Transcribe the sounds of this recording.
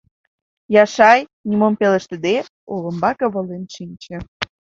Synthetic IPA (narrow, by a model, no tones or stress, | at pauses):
jɑʃɑjnʲimompelə̆ʃt̪ə̆d̪e | olə̆mbɑkə̆βə̆lenʃinʲt͡ɕĕ